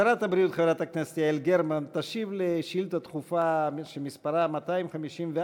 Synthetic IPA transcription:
aɾat̪habɾijut̪χevɾat̪aknasiaelɡeɾmant̪aʃivleʃilt̪at̪χufaʃemispaɾamat̪aimχamiʃimve

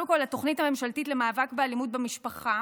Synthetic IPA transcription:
lemko̞lat̪o̞χnithame̞mʃaltitle̞maːvakbealimud̪̚bemiʃpaχa

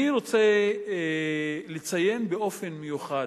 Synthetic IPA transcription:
iɾo̞t͡se | let͡saje̞mbeo̞fe̞nmejuχa

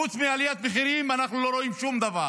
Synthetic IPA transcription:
ut͡smialijat̪beχiɾimanaχnulo̞ɾo̞imʃumd̪ava

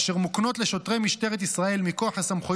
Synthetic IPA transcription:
ʃeʁmukno̞t̪le̞ʃo̞t̪ʁejmiʃt̪e̞ʁet̪isʁae̞lmikoaχhasamχo

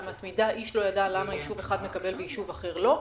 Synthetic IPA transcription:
mat̪mid̪aʔiʃlo̞jadalamajiʃuve̞χad̪me̞kabe̞lvejiʃuvaχe̞ʁlo̞

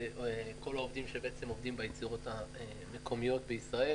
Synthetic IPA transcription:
ko̞laovdimʃebeet͡se̞movd̪imbajet͡siʁo̞tae | mekʰo̞mijo̞tbeisʁae

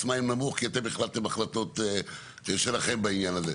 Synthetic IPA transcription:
smaimnamuχkiat̪embiχlalt̪emaχlat̪o̞t̪e | t̪eʃelaχembainjanaze

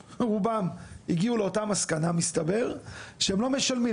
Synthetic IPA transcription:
ʁubamhiɡiule̞o̞tamaskanamist̪abe̞ʁʃeemlo̞meʃalmi

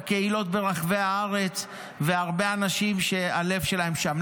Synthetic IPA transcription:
keilo̞t̚be̞ʁaχveaaʁe̞t͡s | ve̞aʁbe̞anaʃimʃe̞ale̞vʃe̞lahe̞mʃam

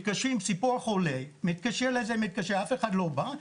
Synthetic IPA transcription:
t̪̚kaʃʁimbsipuʁχolemit̪̚kaʃeʁlezemit̪̚kaʃeafeχad̪loba

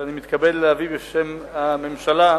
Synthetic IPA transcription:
animit̪kabedleavibeʃemame̞mʃala

